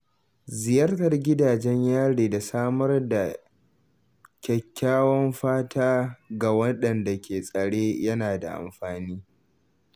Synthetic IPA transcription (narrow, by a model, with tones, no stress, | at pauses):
zɪ˨jɐ˦rtɐ˨rɡʲɪ˦daː˨d͡ʒɛ˦ɲjaː˦ɽeː˨da˨saː˦mɐ˦rda˨ | kʲɐ˨kʲːaː˦wɐ˦mɸaː˦tʰaː˦ɡa˨wɐ˦ɗɐ˨nda˨kʲʰeː˨sʼɐ˨ɽeː˦jɐ˦naː˨da̰˨ʔa̰˨mɸaː˨niː˦